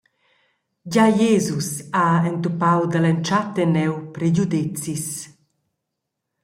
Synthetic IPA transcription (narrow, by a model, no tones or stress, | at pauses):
ɟajeːzusaɛnt̪upawd̪alɛnt͡ʃat̪enɛwpɾeɟud̪it͡sis